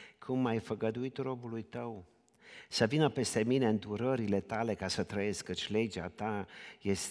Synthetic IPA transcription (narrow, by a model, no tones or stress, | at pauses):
kʰumajfəɡəd̪uit̪ro̞bulujt̪əw | səvinəpe̞st̪e̞mine̞ɨnd̪uɾəɾile̞t̪ale̞kasət̪ɾəje̞skkːət͡ʃʲle̞d͡ʒea̰t̪aje̞s